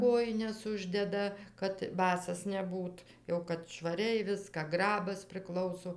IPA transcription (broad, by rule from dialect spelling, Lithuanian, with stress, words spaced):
ˈkoːjɪnʲɛs ˈʊʒʲdʲɛdɐ kɐt ˈbɑːsɐs nʲɛˈbuːt jɛʊ kɐt ʃʋɐˈrʲɛɪ ˈʋʲɪskɑː ˈɡrɑːbɐs pʲrʲɪˈklˠɐʊsoː